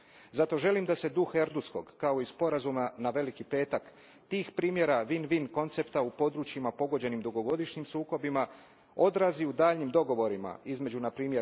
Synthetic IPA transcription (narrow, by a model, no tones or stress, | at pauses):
zat̪o̞ʒe̞limd̪ase̞d̪uxe̞ɾd̪usko̞̰ɡ̥ːao̞ispo̞ɾazumanaʋe̞likipe̞ːt̪ak | t̪iːxpɾiːmje̞ɾaʋinʋinko̞nt̪se̞pt̪aupo̞d̪ɾut͡ɕjimapo̞ɡo̞d͡ʑe̞nimd̪uɡo̞ɡo̞d̪iʃɲimsuːko̞bima | o̞d̪ɾaziud̪aːʎɲimd̪o̞ɡo̞ʋo̞ɾima̰izme̞d͡ʑunapɾiːmje